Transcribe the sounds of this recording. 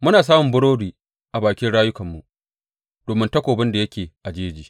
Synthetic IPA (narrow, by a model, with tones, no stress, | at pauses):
mʊ˦naː˨s̬aː˦mʊ˨bʊ˦ɽoː˦ɽiː˨ | ʔa˨baː˨kʲɪ˦nɽaː˦jʊ˦kɐ˨mːu˨ʔ | d̥oː˨mɪ˦ntɐ˦kʷoː˨bɪ˦nda˨jɐ˦kʲeː˨ʔa˨d͡ʒeː˦d͡ʒiː˨